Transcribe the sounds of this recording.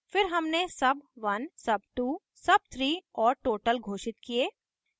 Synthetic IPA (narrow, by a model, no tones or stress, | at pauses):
fɪɾɦɐmnesɐbʋɐnsɐb̚ʈuː | sɐb̚t̪ʰɾiːɔːɾʈoːʈəlɡʱoːʃɪt̪̚kieː